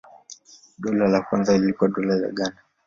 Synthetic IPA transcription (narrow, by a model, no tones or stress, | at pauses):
ɗɔlalakwanzalilikuaɗɔlaza̰ɠana